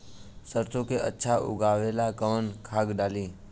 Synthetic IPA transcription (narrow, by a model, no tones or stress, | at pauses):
səɾt̪ʰõkeə̰tːʃʰaʔʊ̰ɡaːʋeːlakəʋənkʰaːɡɖaːliː